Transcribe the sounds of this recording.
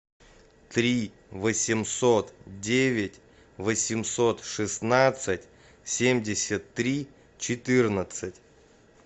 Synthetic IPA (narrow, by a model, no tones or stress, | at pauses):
t̪ɾʲi | vəsʲɪmsot̪dʲevʲɪtʲ | vəsʲɪmso̞t̪ʂɨsnat̪sɨtʲ | sʲemʲdʲɪsʲət̪ːɾʲi | t͡ɕɪt̪ɨrnət̪sɨtʲ